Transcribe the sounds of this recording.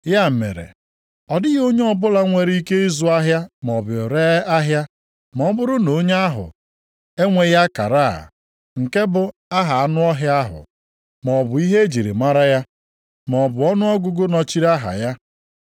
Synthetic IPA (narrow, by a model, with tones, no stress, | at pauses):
ja˦m̩˨mḛ˨ɾḛ˨ | ɔ˨dɪ˦ɣo˦ɲe˦ɔ˦bʊ˦la˦ŋʷe˨ɾi˦ke˦i˦zu˨a˦ɦja˦m˨ɔ˨bɾe˦a˦ɦja˦ | mɔ˨˦bʊ˦ɾʊ˦no˨˦ɲe˦a˦ɦʊ̰˨ | e˦ŋʷe˨ja˦ka̰˨ɾaː˦˨ | ŋ̩˨ke˦bʊ˨a˦ɦa˨a˦nʊ˦ɔ˦ɦja˦ɦʊ̰˨ | m˨ɔ˨bʊ˨i˦ɦe˦d͡ʒi˨ɾḭ˨ma˦ɾa˦ja˦ | m˨ɔ˨bʊ˨ɔ˦nʊ˦ɔ˦ɡʊ˦ɡʊ˦nɔ˨t͡ʃi˦ɾa˦ɦa̰˨ja˦